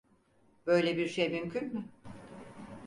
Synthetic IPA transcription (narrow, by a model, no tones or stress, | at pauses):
b̥ø̞jlʲɛbiɾʃejmymcʰynmʏ